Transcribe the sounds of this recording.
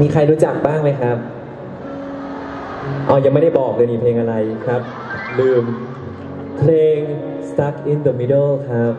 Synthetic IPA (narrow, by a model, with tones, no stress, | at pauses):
miː˧kʰa˧jɾuː˦˥t͡ɕa˨˩k̚baː˥˩ŋma˧˦˥jkʰɾa˦˥p̚ | ʔɔː˧˩ja˧ŋma˥˩jda˥˩jbɔː˨˩k̚lɤː˧jnmiː˧pʰleː˧ŋʔa˧ɾa˧jkʰɾa˦˥p̚ | lɯː˨˩m | pʰleː˧ŋ | st̪a˦˥k̚ʔi˧nd̪əː˧mi˦˧dɤː˥˩lkʰɾa˦˥p̚